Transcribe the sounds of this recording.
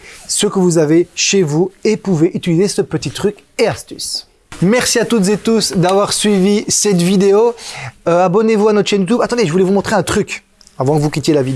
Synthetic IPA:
səkəvuzaveʃevuepuveʔyt̪ilizesəpət̪it̪χykʲeast̪y̰s | mɛʁsiat̪ut̪zet̪usd̪avwaʁsɥivisɛt̪vid̪eoøabɔnevuanɔt̪χʃɛnjut̪ubat̪ɑ̃d̪eʒəvulɛvumɔ̃t̪χeɛ̃t̪χyk | avwɑ̃kəvukʲit̪jelavid̪e

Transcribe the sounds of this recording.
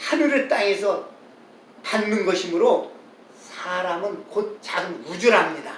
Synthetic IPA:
hanuɾɯɭt͈aŋe̞sʰʌ | tanːɯnɡʌɕʰimɯɾo | sʰaɾamɯnkot̚t͡ɕaɡɯnud͡ʑuɾɦamɲida̰

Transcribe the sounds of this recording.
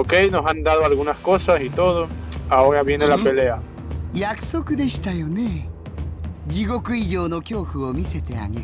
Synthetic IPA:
oke̞jno̞sand̪aðoalɣunasko̞sasit̪o̞ðo̞aoɾaβje̞ne̞lape̞le̞a | jakɯ̟̥so̞kɯ̟d̪e̞ɕi̥t̪ajo̞ne̞ | d͡ʑiɡo̞kɯ̟iʑo̞ːno̞kʲo̞ːɸɯ̟o̞mʲise̞t̪e̞a̰ɡeɾ

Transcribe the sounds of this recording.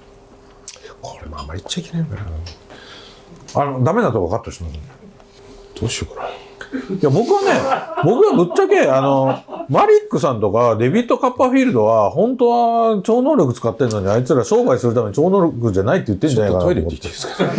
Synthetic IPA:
kʰo̞̥ɾemoa̰mːaɾʲit͡ɕːaikʲenaĩkaɾa | anod̪ame̞nat̪okakat̪ːoɕimasɨne | d̪̥oːɕioka | jabo̞kɯ̟βanebo̞kɯ̟βabɯ̟t͡ɕt͡ɕːake̞ano̞maɾʲikːɯ̟s̬ãnt̪o̞kad̪e̞bʲit̪ːo̞kapːaɸʲiːɾɯ̟d̪o̞βahõ̞nt̪o̞βat͡ɕo̞ːnoːɾʲo̞k̬ɯ̟t͡sɨ̥kat̪ːe̞nːo̞ɲ̟iait͡sɨɾaɕo̞ːbaisɨɾɯ̟t̪ame̞ɲit͡ɕo̞ːnoːɾʲokɯ̟d͡ʑanait̪ːeɯ̟t̪ːẽ̞ɲd͡ʑanaikanaieomet̪ːes

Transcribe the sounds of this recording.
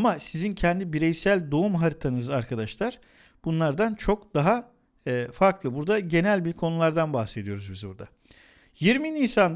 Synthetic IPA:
masizincʰɛnd̪ibiɾɛjsælʲd̪o̞umɦaɾit̪ʰanɯzaɾkʰad̪aʃlˠaɾ̥ | b̥unlˠaɾd̪ant͡ʃʰo̞kd̪̥aɦaː | faɾklˠɯbuɾd̪aɟe̞nælʲbiɾkʰo̞nulˠaɾd̪anbaxse̞d̪ijo̞ɾuzbizbṵɾd̪a̰ | jiɾminiːsan

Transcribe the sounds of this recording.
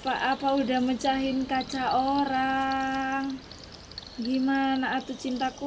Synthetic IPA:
pa̰ʔapaudahmət͡ʃaɦɪnkat͡ʃaoɾa | ŋ | ɡimanaːt̪ut͡ʃint̪aku

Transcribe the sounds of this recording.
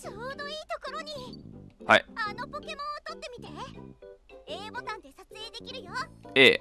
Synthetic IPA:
soːd̪oiːt̪oko̞ɾo̞ɲ̟iha̰iano̞po̞ke̞mõ̞ɰ̃ot̪o̞t̪ːe̞mʲit̪e̞ | eːbo̞t̪ãnd̪e̞sat͡sɨe̞ːd̪e̞kʲiɾɯ̟joeː

